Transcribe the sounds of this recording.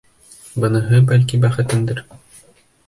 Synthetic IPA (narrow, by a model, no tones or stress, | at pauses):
bɤ̆nɤ̆ɦɤbælkibæχɘ̆t̪ɘnd̪ɘɾ